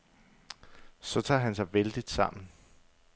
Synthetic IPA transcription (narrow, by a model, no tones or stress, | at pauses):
sɒ̽t͡sʰɑ̰̈ːɦæns̬ɑ̈ɪʋeld̥id̥sɑ̈m̰n̩